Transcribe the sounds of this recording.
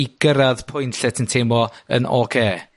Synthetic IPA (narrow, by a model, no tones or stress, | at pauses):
iɡ̥əɾaðpʰʊjnɬɛtʰəntʰeːmɔə̰nɔːkʰeː